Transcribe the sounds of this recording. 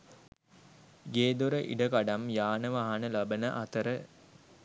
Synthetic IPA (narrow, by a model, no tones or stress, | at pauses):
ɡeːd̪oɾəʔḭɖəkaɖamjaːnəʋaɦanəlabənəʔat̪əɾə